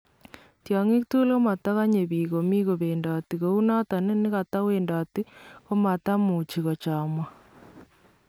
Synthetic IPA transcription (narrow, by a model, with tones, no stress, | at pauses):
tja˨ŋi˦tu˦lo˦ma˨ta˦ɣa˦ɲe˨βiːɣo˨mi˦ɣo˨βeːnda˨ti˨ɣo˨u˦na˦ta˨ne˦nɪ˦ɣa˨ta˦weːnda˨ti˦o˦ma˨ta˦mu˨t͡ʃi˨ɣo˨t͡ʃa˨mwa˨